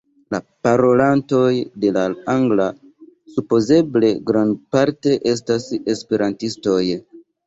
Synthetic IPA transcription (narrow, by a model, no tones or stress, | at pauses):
lapaɾo̞lanto̞jde̞laaŋɡla | supo̞ze̞ble̞ɡɾandpaɾte̞ʔe̞s̬tasespe̞ɾantisto̞j